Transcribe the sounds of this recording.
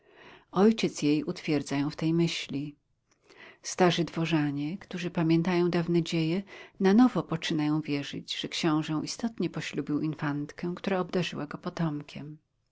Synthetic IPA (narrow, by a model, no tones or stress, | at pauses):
ɔjt͡ɕɛt̪sjejut̪fʲjɛɾd̪zajɔ̃w̃ft̪ɛjmɘɕlʲi | st̪aʐɘd̪vɔʐaɲɛkt̪uʐɘpamʲjɛnt̪ajɔ̃w̃d̪avnɛd͡ʑejɛnanɔvɔpɔt͡ʂɘnajɔ̃w̃vʲjɛʐɘ̰d͡ʑʐ̥ɛkɕɔ̃w̃ʐɛ̃w̃ʔist̪ɔt̪ɲɛpɔɕlubʲiwʔinfant̪kɛ̃kt̪uɾaɔbd̪aʐɘwaɡɔpɔt̪ɔmkʲʰɛm